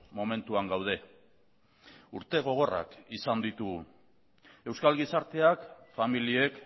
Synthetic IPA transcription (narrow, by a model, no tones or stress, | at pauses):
mo̞me̞nt̪uaŋɡawð̞e̞ | uɾt̪e̞ɣ̞o̞ɣ̞o̞ra̰kisand̪it̪u | e̞wskalɣisaɾt̪e̞akfamilie̞k